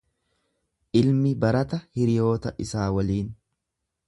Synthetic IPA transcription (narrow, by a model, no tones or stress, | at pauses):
ʔɪlmɪbɐɾɐt̪ɐhɪɾɪjo̞ːt̪ɐʔɪsaːwɐliːn